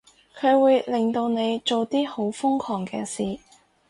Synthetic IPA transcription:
kʰɵ˨˧ɥwuː˨˧jlɪ˨ŋt̪o˧wne˨˧jt͡ʃo˨wt̪iː˥ho˨˥wfʊ˥ŋkʰɔː˨˩ŋkɛː˧siː˨

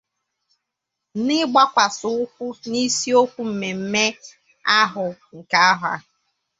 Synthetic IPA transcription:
nɪ˦ɡ͡ba˦kʷa˨sʊ˦ʊ˦kʷu˦ni˦si˦o˦kʷu˦m̩˨me˨m̩˦me˦ | a˦ɦʊ˨ŋ̩˨ka˦a˦ɦʊ˨a̰˨

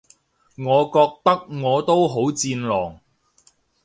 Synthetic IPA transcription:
ŋɔː˨˧kɔː˧k̚t̪ɐ˥k̚ŋɔː˨˧t̪o˥wɦo˨˥wt͡siː˧nlɔː˨˩ŋ

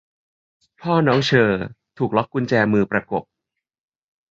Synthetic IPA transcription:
pʰɔː˥˩nɔː˦˥ŋt͡ɕʰɤː˧t̪ʰuː˨˩k̚lɔ˦˥k̚ːu˧nt͡ɕɛː˧mɯː˧pɾa˧ko˨˩p̚

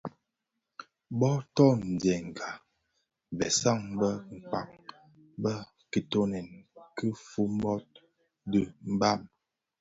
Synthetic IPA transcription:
bɔ˦tɔ˦˨n̩˨dɛ˨ŋ˨ɡa˨ | vɛ˨sa˦˨ŋbə˦ŋ̩˨k͡pa̰˨k̚ | bə˦ | ki˨to˦nɛ˨nki˦fu˦m˦bɔ˦t̚ | dɨ˨m̩˦ba˦˨m

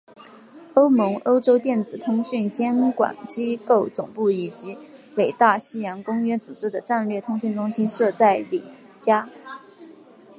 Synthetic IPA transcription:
o˥ʊmɤ˧˥ŋʔo˥ʊʈ͡ʂo˥ʊt̪jɛ˥˩nt͡sɹ̩˨˩t̪ʰʊ˥ŋɕy˥˩nt͡ɕjɛ˥nkwa̰˨˩nt͡ɕi˥ko˥˩ʊt͡sʊ˨˩ŋpu˥˩i˨˩t͡ɕi˧˥we˨˩ɪt̪a˥˩ɕi˥jɑ˧˥ŋkʊ˥ŋɥɛ˥t͡su˨˩ʈ͡ʂɻ̩˥d̪ə˨ʈ͡ʂa˥˧nlɥɛ˥˩t̪ʰʊ˥ŋɕy˥˩nʈ͡ʂʊ˥ŋɕi˥nʂɤ˥˧t͡sa˥˩ɪli˨˩ | t͡ɕja˥

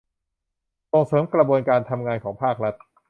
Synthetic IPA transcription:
so˨˩ŋsɤː˩˦mkɾa˧bu˧ənkaː˧nt̪ʰa˧mŋaː˧nkʰɔː˩˦ŋpʰaː˥˩k̚ɾa˦˥t̪̚

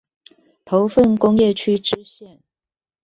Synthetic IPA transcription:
t̪ʰo˨˦ʊfə˥˨nkʊ˦˥ŋjɛ˥˨t͡ɕʰy˥ʈ͡ʂɻ̩˥ɕjɛ˥˨n

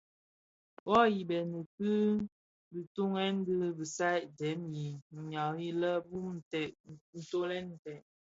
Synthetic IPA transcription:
wɔ˦ji˨bɛ˨nə˨tɨ˦ | bi˨tu˦ŋɛ˦n˦dɨ˦bi˨sa˦jʔdɛ˨˦mji˨ɲa˨i˦lə˦bu˦m˨tɛ˨n̩˨to˦lɛ˦n̩˨tɛ˨ʔ

